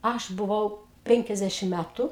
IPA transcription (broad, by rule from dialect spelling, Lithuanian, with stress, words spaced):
ˈɐʃ bʊˈʋɐʊ ˈpʲɛŋʲkʲɛzʲdʲɛʃʲɪm ˈmʲætʊ